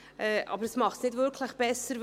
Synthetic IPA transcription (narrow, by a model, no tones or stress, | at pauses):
ʔɛʔɑ̰bəɾəsmɑχtsnɪtvʏɾkʰləχb̥ɛsəɾ